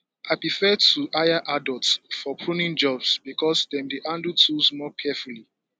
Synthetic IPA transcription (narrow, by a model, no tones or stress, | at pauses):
aɪpɹifɛtʰuʔajaʔadɔltsfɔkʰɹunĩnd͡ʒɔbsbikʰɔsdɛ̃mdeʔãndutʰuzmɔkʰɛfuli